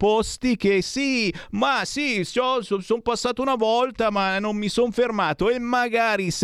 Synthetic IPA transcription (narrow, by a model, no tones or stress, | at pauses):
post̪ik̟esimasisɔsosompasːaːt̪ounavɔlt̪amanːomːisonfermaːt̪oemːaɡaːɾis